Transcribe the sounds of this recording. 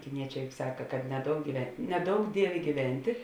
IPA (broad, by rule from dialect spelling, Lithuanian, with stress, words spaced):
kʲɪˈnʲiɛt͡ʃʲɛː jʊk ˈsɑːkɐ kɐt nʲɛˈdoːʊk ɡʲiːʋʲɛ nʲɛˈdoːʊk ˈdʲiɛʋʲeː ɡʲiːˈʋʲɛnʲtʲeː